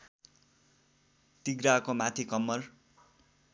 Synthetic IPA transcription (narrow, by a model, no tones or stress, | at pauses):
t̪iɡɾakomat̪ʰikʌmːʌr